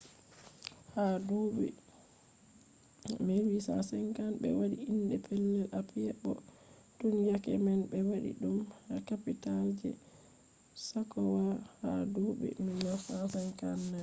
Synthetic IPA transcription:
haduɓɛ̰ | mɛwisa̰sɛŋkanɓɛ̰waɗiinɗɛpʰɛlːɛlʔapjɛɓːɔ̰ | tunjakɛmɛnbɛwaɗḭɗumhakapitald͡ʒɛ̰ | sakːɔwaha̰doɓɛ̰minasasɛnkanːɛ

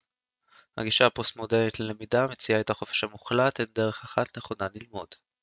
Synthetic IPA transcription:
ha̰ɡiʃaapostmo̞deʁnitlelemidamet͡siaetaχo̞feʃhamuχlathende̞ʁe̞χaχatne̞χo̞nalilmo̞d̥

